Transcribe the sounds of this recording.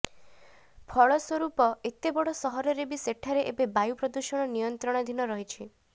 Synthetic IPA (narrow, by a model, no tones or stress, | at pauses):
pʰɔɭɔswɔɾupɔet̪ebɔɽɔsɔɦɔɾɔɾebiseʈʰaɾeʔebebajupɾɔd̪uʃɔɽ̃ɔnijɔnt̪ɾɔɽ̃ɔd̪ʱinɔɾɔɦit͡ʃʰi